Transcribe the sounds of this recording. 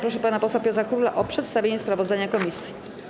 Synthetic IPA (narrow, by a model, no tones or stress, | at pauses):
pɾɔʂɛpanapɔswapʲɔt̪ɾakɾula̰ʔɔpʂɛt̪st̪avʲjeɲɛspɾavɔzd̪aɲakɔmʲisʲji